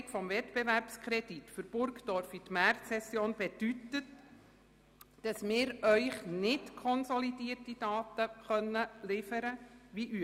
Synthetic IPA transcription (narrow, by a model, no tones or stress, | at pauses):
kfɔmvɛtb̥ɛvæɾpskʰɾɛd̥itfʏɾb̥ʊɾktɔɾfitmærtsɛsjoːnb̥ɛd̥ytət | d̥ɑsmɪːɾœʏχnɪtkʰɔnsɔlid̥iːərtid̥ɑːt̪əχœnːəlɪfəɾəʋiʔy